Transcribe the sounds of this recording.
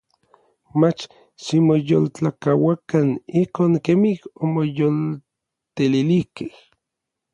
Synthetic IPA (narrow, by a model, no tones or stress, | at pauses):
mat͡ʃ | ʃimojolt͡ɬakawakanihkoːŋkemihomojol | t̪elilihkeh